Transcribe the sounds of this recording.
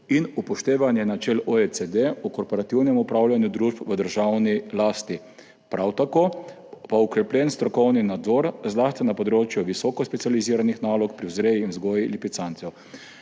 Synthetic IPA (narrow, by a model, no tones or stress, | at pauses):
inupɔʃt̪eːʋanjɛnat͡ʃɛlɔet͡s̪ed̪eɔkɔɾpɔɾat̪iwnɛmupɾawlʲjanjud̪ɾuːʃpʋəd̪əɾʒawnilaːst̪i | pɾawt̪akoː | paukɾɛpljɛnst̪ɾɔkɔwninad̪zɔɾzlaːst̪inapɔd̪ɾoːt͡ʃjuʋisɔkɔspɛt̪sializiːɾanixnaːlɔkpɾiwzɾeːjiːnzɡɔːjilipit̪sant̪sɛw